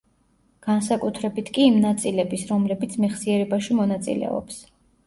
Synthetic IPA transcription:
ɡ̥ansakʼut̪ʰɾɛbit̪ʰkʼiːmnat̪sʼilɛbisɾɔmlɛbit̪sʰmɛχsiɛɾɛbaʃimɔnat̪sʼḭlɛ̰ɔ̰ps

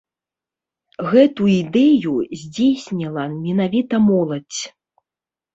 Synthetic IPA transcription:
ɣɛt̪uid̪ɛjuzʲd͡zʲesʲnʲilˠɐmʲɛnavʲit̪ɐmɔlˠɐt͡sʲ

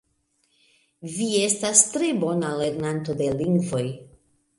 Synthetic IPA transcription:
vie̞stastɾe̞bo̞nale̞ɾnanto̞de̞liŋɡvo̞j

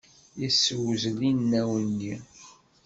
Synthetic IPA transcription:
jəsːəwzlinːæwənːi

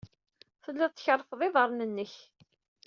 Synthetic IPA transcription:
θəlːæt͡sːçəɾˤːfðˤɪðˤəɾˤnənːəç

